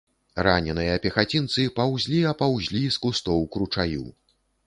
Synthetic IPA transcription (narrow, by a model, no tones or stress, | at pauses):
ranʲɛnɨjɐɐpʲɛxat͡sʲint̪sɨpawzʲlʲiɐpawzʲlʲiskust̪ɔwkɾut͡ʂajṵw